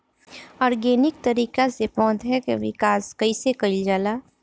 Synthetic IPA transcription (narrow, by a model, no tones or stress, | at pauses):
ɔːɾɡeːnɪk̚t̪əɾiːkasepɔ̃ːt̪ɦɛkeʋɪ̰kaːskɐisekəɪld͡ʒaːlaː